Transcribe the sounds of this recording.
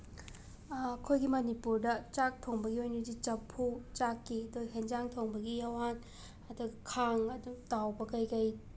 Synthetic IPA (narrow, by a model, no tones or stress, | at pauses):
ɐkʰojɡimɐnipuɾdɐt͡ʃak̚tʰoŋbɐɡiojnɐdit͡ʃɐpʰːut͡ʃakːiɐdoɦend͡ʒaŋtʰoŋbɐɡijawan | ɐduɡɐkʰaŋɐdutawbɐkɐjkɐj